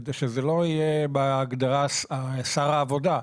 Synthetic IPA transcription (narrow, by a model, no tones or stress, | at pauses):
d̪eʃezelo̞ijebaːɡd̪aʁasasaʁaːvo̞d̪a